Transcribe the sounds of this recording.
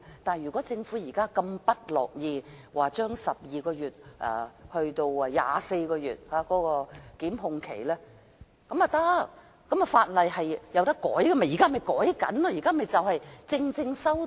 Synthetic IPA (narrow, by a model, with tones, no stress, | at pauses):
t̪aː˨jyː˨˩kɔ˨˥t͡sɪ˧ŋfuː˨˥jiː˨˩kaː˥kɐ˧mpɐ˥t̚lɔ̰ː˨k̚jiː˧waː˨t͡ʃœː˥ŋsɐ˨p̚jiː˨kɔː˧jyː˨t̚ʔɛ̰˨˩hɵ˧ɥt̪o˧wja̰ː˨se˧jkɔː˧jyː˨˩t̚haː˨˧˥kɔː˨˥kɔː˧kiː˨˥mɦʊ˨˧ŋkʰḛ˨˩jlɛː˥ | kɐ˨˥mɐ˨t̪ɐ˥ | kɐ˨˥mɐ˨faː˧t̚lɐ˨jhɐ˨jjɐ˨˧wt̪ɐ˥kːɔː˨˥jɡɐ˧mɐ˨˩jiː˨˩kaː˥˩mɐ˨˩jkɔː˨˥jkɐ̰˨˥nlɔ˧jiː˨˩kaː˥˩mɐ˨jt͡sɐ˨whɐ˨jt͡sɪ˧ŋt͡sɪ˧ŋsɐ˥w